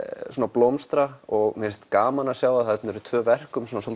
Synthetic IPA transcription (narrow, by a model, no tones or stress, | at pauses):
suːnaplowmst̪ɾaɔɣmɪnst̪kaːmanasjaːwðaðhɛt̪nʏɾʏt̪ʰvœːvɛr̥kʏmsuːnasol